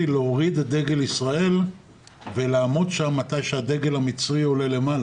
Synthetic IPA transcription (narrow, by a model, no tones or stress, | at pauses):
ileoʁid̪had̪e̞ɡe̞lisʁae̞l | velaːmo̞d̪ʃamːat̪ajʃead̪e̞ɡe̞lamit͡sʁio̞le̞le̞mala